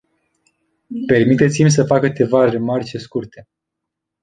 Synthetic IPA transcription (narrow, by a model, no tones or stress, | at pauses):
pe̞rmit̪et̪simʲs̬əfakɨt̪e̞vare̞mart͡ʃeskurt̪e̞